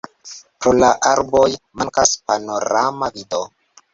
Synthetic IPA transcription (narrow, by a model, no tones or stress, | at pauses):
pɾolaʔaɾbo̞jmaŋkaspano̞ɾamavido